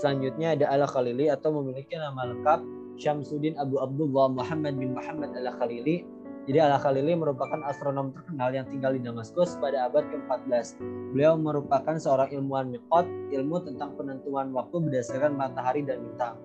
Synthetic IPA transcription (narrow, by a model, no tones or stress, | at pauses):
səlaɲd͡ʒut̪̚ɲaːdaʔalaxaliliat̪awməmilikinamaləkap̚ | ʃamsudɪnabuab̚dulamuħamad̚bɪnmuħamːadalaxalili | d͡ʒadialaxaliliməɾupakanast̪ɾonɔmt̪ərkənaljaŋt̪iŋɡaldidamaskʊspadaːbat̪̚kəmpat̪̚bəlasbəliawməɾupakansəoɾaŋilmuanmik̚ɔt̪̚ilmut̪ənt̪aŋpənənt̪uanwak̚t̪ubədasarkanmat̪aɦaɾidanmit̪aŋ